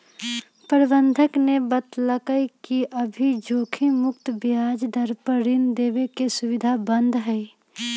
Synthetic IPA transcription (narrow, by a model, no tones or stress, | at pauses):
pəɾbənd̪ʱəknebət̪ləkəikiʔəbʱid͡ʒoːkʰimʊk̚t̪bjad͡ʒd̪ʱəɾpəɾind̪eːʋekesʊʋɪd̪ʱabənd̪ʱɦɛɪ